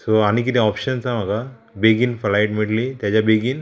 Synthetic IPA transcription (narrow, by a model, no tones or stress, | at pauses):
soanikit̪ẽɔpʃənsãmaɡa | beɡinfɐlajʈmiʈlit̪ɛd͡ʒabeɡin